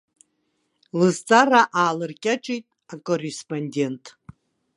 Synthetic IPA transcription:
lɨzt͡sʼaraʔaːlɨrkʲʼaʈ͡ʂʼijtʼ | akʼorːespʼonʲdʲe̞ntʼ

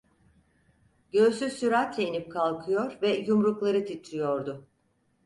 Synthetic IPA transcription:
ɟø̞sysyɾat̪leinip̚kʰalˠkʰɯjoɾvɛjumɾuklˠaɾɯt̪ʰit̪ʰɾijoɾd̪ʊ

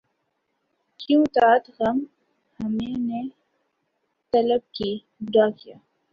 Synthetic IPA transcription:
kjũt̪aːt̪ɣɐm | hɐmene | t̪ɐləb̚ki | daːkijaː

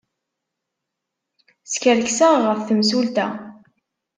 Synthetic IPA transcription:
skəɾksəʁʁəfθəmsult̪æ̰

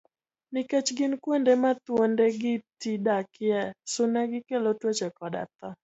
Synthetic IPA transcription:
nɪkɛt͡ʃɡɪnkwɛndɛmat̪wondɛɡɪtidakɪɛsʊnaɡɪkɛlotwet͡ʃɛkɔda̰t̪a

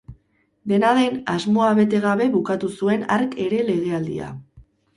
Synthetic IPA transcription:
d̪e̞naðejnazmo̞aβe̞t̪e̞ɣ̞aβe̞βukat̪usue̞na̰ɾke̞ɾe̞le̞ɣ̞e̞ald̪ḭa̰

